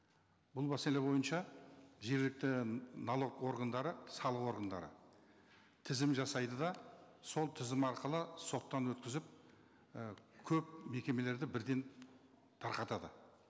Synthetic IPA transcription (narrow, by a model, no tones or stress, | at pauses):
bʊlˠbæselebo̞jənʃɑʒe̞ɾɡlɪk̚t̪ɪnolˠo̞kwo̞ɾɡənd̪ɑɾəsɑlˠəqwo̞ɾɡənd̪ɑ̰ɾə̰ | t̪ʰɪzɪmʒɑsɑjd̪əd̪ɑ | so̞lˠt̪ʰɪzɪmɑɾqəlˠəso̞t̪ːɑnwɵt̪kʲɪzɪp̚ | kʲʰɵp̚me̞kʲe̞me̞le̞ɾd̪ɪbɪɾd̪e̞n | t̪ʰɑɾqɑt̪ɑd̪ə